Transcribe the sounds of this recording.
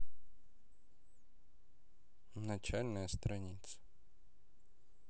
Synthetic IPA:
nɐt͡ɕalʲnəjəst̪ɾɐnʲit̪sə̥

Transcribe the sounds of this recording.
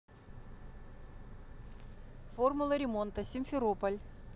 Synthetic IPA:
formʊlˠəɾʲɪmo̞nt̪əsʲɪnʲfʲɪɾopəlʲ

